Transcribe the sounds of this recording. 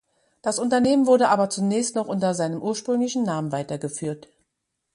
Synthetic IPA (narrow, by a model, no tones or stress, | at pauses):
d̥asʔʊntɐneːmənvʊɐdəʔaːbɐt͡sunɛːçstnɔχʔʊntɐzaɪnəmʔuːɐʃpʁ̥ʏŋlɪçn̩naːmənvaɪtɐɡəfyːɐt